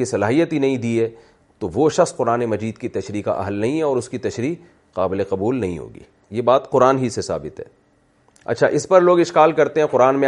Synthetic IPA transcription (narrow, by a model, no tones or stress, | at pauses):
isɐlaːɦijət̪ɦinɐɦĩd̪iːɛ | t̪oʋoʃɐxsqʊɾaːnemɐd͡ʒiːd̪kit̪ɐʃɾiːka̰ʔɐ̰ɦəlnɐɦĩɦɛɔːɾʊskit̪ɐʃɾiː | qaːbɪleqɐbuːlnɐɦḭ̃ɦo̰ːɡḭː | jebaːt̪qʊɾaːnɦisesa̰ːbɪt̪ɦɛ̰ː | ɐ̰tːʃʰa̰ʔɪspɐɾloːɡɪʃkaːlkɐɾt̪ẽɦɛ̃qʊɾaːnmẽ